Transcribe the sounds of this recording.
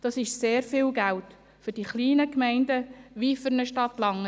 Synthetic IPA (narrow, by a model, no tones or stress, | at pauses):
d̥ɑsɪʃseːɾfɪːlɡælt | fʏɾd̥iχliːnəkmɛɪndəʋifʏɾnəʃtɑtlɑŋːə